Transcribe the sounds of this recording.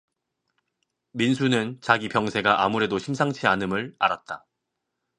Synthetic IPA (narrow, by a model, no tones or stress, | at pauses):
minsʰunɯnt͡ɕaɡipjʌŋsʰe̞ɡaʔamuɾe̞doɕʰimsʰaŋt͡ɕʰianɯmɯɭaɾat̚t͈a